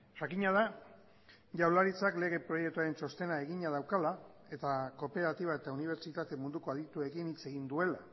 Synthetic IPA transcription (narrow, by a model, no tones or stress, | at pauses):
ʝakiɲað̞a | ʝawlaɾit͡sakle̞ɣe̞pɾo̞je̞kt̪uaɾe̞nso̞st̪e̞nae̞ɣiɲað̞awkalae̞t̪ako̞pe̞ɾat̪iβ̞ae̞t̪auniβ̞e̞ɾt͡ʃit̪at̪e̞mund̪uko̞aðit̪ue̞kinit͡se̞ɣind̪ue̞la